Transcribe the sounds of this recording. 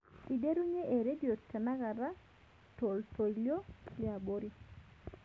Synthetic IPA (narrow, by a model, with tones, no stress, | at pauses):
i˨de˦ɾu˦ɲe˦ʔe˨ɾe˦djo˨tːa˨na˦ɣa˨ɾa˦ | to˨lto˨ljo̥˦i˦a˨bo˦ɾi˦